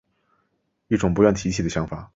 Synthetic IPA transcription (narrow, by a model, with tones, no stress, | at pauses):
i˥˩ʈ͡ʂʊ˨˩ŋpu˧˥jɥɛ˥˩nt̪ʰi˧˥t͡ɕʰi˨˩d̪ə˩ɕjɑ˧˥ŋfa˨˩˦